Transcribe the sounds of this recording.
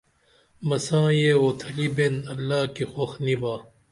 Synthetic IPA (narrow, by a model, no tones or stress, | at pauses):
mɐsãːjeoːt̪ʰɐlibenɐlːaːkixoxnibaː